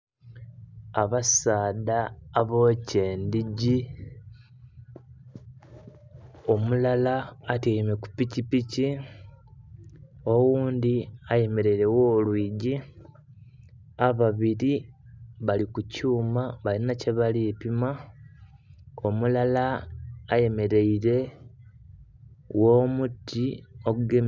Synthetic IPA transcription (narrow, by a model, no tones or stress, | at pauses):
aβasaːdaːβoːceːndiɟi | o̞mulalaːteimeku̥picipici | o̞wuːnd̪iajeme̞ɾeɾe̞woːlwiːɟi | aβaβiɾiβalikucuːmaβalinace̞βaliepima | omulalaː | je̞me̞ɾe̞iɾe̞ | wo̞ːmutːio̞ɡuɡe